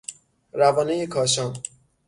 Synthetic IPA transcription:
ɾævɒːnejekʰɒːʃɒn

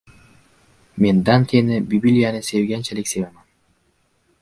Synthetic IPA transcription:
mend̪ant̪ʰenebʲibilʲijanɯsevɡʲɛnt͡ʃelʲekseveman

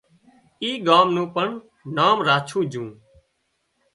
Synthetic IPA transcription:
iːɡaːmnũːpəɳ | naːmɾaːt͡ʃʰũːd͡ʒũː

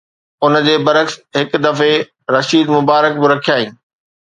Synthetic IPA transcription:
ʊnəd͡ʑeːbɐɾəksɦɪkd̪ɐfe | ɾɐʃiːd̪mʊbaːɾək̚bɪɾɐkʰijaːɦĩː

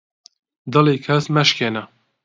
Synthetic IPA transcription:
d̪ɐleːkʰɛsmɛʃkʰeːnɛ

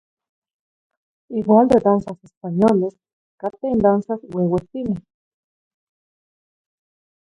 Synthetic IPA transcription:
iwaːnd̪ed̪ansasespaɲoles | kat̪eind̪ansasweweht̪ine

